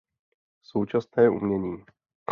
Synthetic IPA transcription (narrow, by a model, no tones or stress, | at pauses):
so̞wt͡ʃasnɛːʔṵmɲɛɲiː